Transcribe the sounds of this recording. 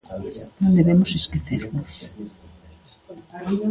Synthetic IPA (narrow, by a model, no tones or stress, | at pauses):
nõnd̪eβemoseskeθeɾβos